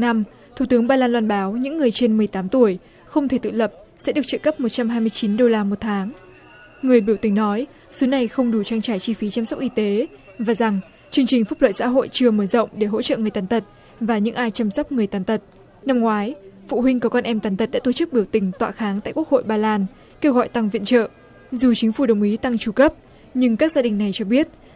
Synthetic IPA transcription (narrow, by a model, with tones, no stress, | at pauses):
na˧m | t̪ʰu˧˩t̪ɨ˨˦əŋɓaː˧laː˧nlwaː˧nɓaː˨˦wɲɨ̰˧˥ŋːɨ˨˩əjt͡ɕe˧nmɨ˨˩əjt̪aː˨˦mt̪u˧˩əj | xə˧wŋ͡mt̪ʰe˧˩t̪ɨ̰˧˨lə˨˩p̚ | sɛ̰˧˥ɗɨ˨˩ək̚t͡ɕɨ̰˧˨kə˦˥p̚mo˨˩t̚t͡ɕa˧mɦaː˧jmɨ˧əjt͡ɕi˨˦nɗo˧laː˧mo˨˩t̚t̪ʰaː˨˦ŋ | ŋɨ˨˩əjɓi˧˩əwt̪ï˨˩ŋ̟nɔ˨˦j | su˨˦na˨˩jxə˧wŋ͡mɗu˨˩t͡ɕaː˧ŋt͡ɕaː˧˩jt͡ɕi˧fi˨˦t͡ɕa˧msa˦˥k͡p̚ʔi˧t̪e˨˦ | vaː˨˩za˨˩ŋ | t͡ɕɨ˧əŋt͡ɕï˨˩ŋ̟fu˦˥p̚lə̰ː˧˨jsa̰ː˧˥ɦo̰˧˨jt͡ɕɨ˧əməː˧˩zə̰˧˨wŋ͡mɗe˧˩ɦo̰˧˥t͡ɕə̰˧˨ŋɨ˨˩əjt̪aː˨˦nt̪ʰə˨˩t̚ | vaː˨˩ɲɨ̰˧˥ŋʔaː˧jt͡ɕa˧msə˦˥k͡p̚ŋɨ˨˩əjt̪aː˨˩˦nt̪ʰə˨˩t̚ | na˧mŋwaː˨˦jfṵ˧˨ɦï˧ŋkkɔ˧nʔɛ˧mt̪aː˨˦nt̪ə˨˩ɗa̰ː˧˥t̪o˧˩t͡ɕɨ˦˥k̚ɓi˧˩əwt̪ï˨˩ŋ̟t̪wa̰ː˧˨xaː˨˦ŋt̪a̰ː˧˨jku˦˥ək̚ho̰˧˨jɓaː˧laː˧n | ke˧wɣɔ̰˧˨jt̪a˧ŋvḭ˧˨ənt͡ɕə̰ː˧˨ | zu˨˩t͡ɕi˨˦ŋ̟fu˧˩ɗə˨˩wŋ͡mʔi˨˦t̪a˧ŋt͡ɕu˧˩kə˦˥p̚ | ɲɨ˧ŋkaː˦˥k̚zaː˧ɗï˨˩ŋ̟na˨˩jt͡ɕɔ˧ɓi˦˥ət̚